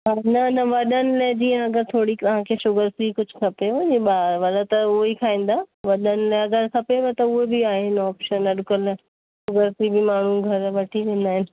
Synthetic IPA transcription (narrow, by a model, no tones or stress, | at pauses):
ɦaːnɐnɐʋɐɗənɪ̆lɐɦd͡ʑĩːɐɡəɾt̪ʰoːɽit̪ɐʋ̤ãkʰeːʃʊɡəɾsɾikʊd͡ʑʱʊkʰɐpeɐ̃ɲeɓaːɾʋɐd̪at̪ɐʊɦikʰaːĩːn̆d̪aːʋɐɗənɪleɐɡəɾkʰɐpeʋɐt̪ɐʊɦebɪaːɦeɪnɔːpʃənɐɗkəl | ʃʊɡəɾsɾibɪmaːɳ̤ũɡʱɐɾʋɐʈʰiʋẽːn̆d̪aːɦɪnɪ̆